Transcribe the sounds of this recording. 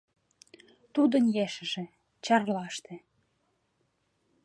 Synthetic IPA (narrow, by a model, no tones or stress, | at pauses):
t̪ud̪ənjeʃə̆ʒĕ | t͡ɕɑrlɑʃt̪ĕ